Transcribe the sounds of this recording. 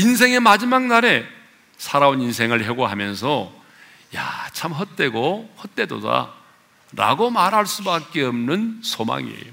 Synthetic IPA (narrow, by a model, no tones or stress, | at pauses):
ins̬ʰe̞ŋe̞mad͡ʑimaŋ̚naɾe̞ | sʰaɾaoninsʰe̞ŋɯɭɦeɡoɦamjʌns̬ʰʌ | jat͡ɕʰamɦʌt̚t͈e̞ɡohʌt͈e̞do̰da̰ | ɾa̰ɡomaɾɦaɭs͈ubak̚k͈e̞ʌmnɯnsʰoma̰ŋḭḛjo